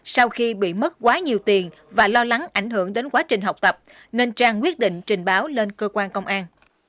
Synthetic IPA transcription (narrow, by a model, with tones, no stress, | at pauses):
sa˧wxi˧ɓḭ˧˨mə˦˥t̚kwaː˨˦ɲi˨˩əwt̪i˨˩ən | vaː˨˩lɔ˧la˨˦ŋʔa˧˩jŋ̟ɦɨ˧˩əŋɗe˨˦nkwaː˨˦t͡ɕï˨˩ŋ̟ɦa˨˩wk͡p̚t̪ə˨˩p̚ | ne˧nt͡ɕaː˧ŋkwi˦˥ət̚ɗḭ˧˨ŋ̟t͡ɕï˨˩ŋ̟ɓaː˨˦wle˧nkəː˧kwaː˧nkə˧wŋ͡mʔaː˧n